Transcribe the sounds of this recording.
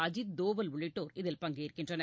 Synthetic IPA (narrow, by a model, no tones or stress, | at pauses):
ɐd͡ʒɪd̪oːʋɐlʋʊɭɪʈːoːɾɪðɪlpɐŋɡɐɪɾkɪndrɐnɐ